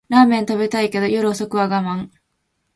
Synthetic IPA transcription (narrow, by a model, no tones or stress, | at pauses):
ɾaːmẽ̞nt̪abe̞t̪aike̞d̪o̞joɾɯ̟oso̞kɯ̟βaɡamãŋ